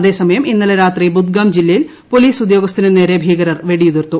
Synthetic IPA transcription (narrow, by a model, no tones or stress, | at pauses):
ɐðe̞ːsɐmɐjɐminːɐlɐɾaːt̪ribud̪̚ɡaːmd͡ʑilːɐjil | po̞liːsud̪jo̞ːɡɐst̪inene̞ːɾebʱiːɣɐɾɐrʋe̞ɽijuðirt̪ːu